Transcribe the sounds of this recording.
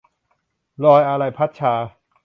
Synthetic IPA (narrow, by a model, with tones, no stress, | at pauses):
lɔː˧jʔa˧ɾa˧jpʰa˦˥t̪̚t͡ɕʰaː˨˧